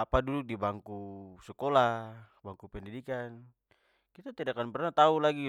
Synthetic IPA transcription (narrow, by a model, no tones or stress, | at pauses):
apaduduk̚dibaŋkusɛkola | baŋkupɛndidikan | kit̪at̪idakanpɛrnat̪aulaɡi